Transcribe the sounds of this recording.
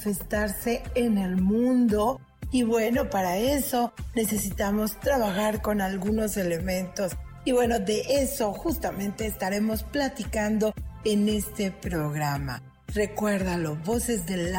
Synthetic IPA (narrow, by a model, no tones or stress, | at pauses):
fest̪aɾse̞ːne̞lmũnd̪o̞ | iβwe̞no̞paɾae̞so̞ne̞se̞sit̪amo̞st̪ɾaβaxaɾko̞nalɣuno̞se̞le̞mẽ̞nt̪o̞siβwe̞no̞ðe̞ʔeso̞xust̪amẽ̞nt̪e̞ːst̪aɾe̞mo̞splat̪ikand̪o̞ene̞st̪e̞pɾo̞ɣɾama̰ | re̞kwe̞ɾðalo̞βo̞se̞zðel